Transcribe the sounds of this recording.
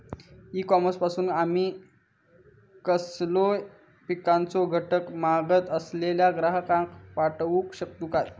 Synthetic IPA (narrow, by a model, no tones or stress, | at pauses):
iːkɔməspasuːnamiː | kəslo | pikant͡soɡʱəʈəkmaɡət̪əsleljaɡɾaɦəkãŋkpaʈʋukɕək̚t̪ukat̪̚